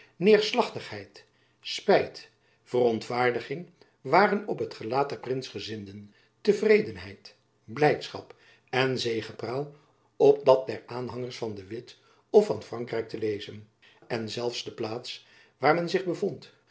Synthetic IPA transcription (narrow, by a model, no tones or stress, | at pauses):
nɪːɹslɑχtəχɦɛjt | spɛjt | fərɔntfaːɹdəχɪŋ | ʋaːrənɔpɦətχəlaːt̚dɛɹprɪnsχəzɪndən | təvrejdənɦɛjt | blɛjtsχɑ̰p | ɛnzejχəpraːlˠ | ɔp̚dɑt̚dɛɹaːnɦɑŋəɹsfɑndəʋɪt | ɔfɑnfrɑŋkrɛjk̚təlejzən | ɛnzɛlˠfsdəplaːts | ʋaːɹmɛnzɪχbəvɔnt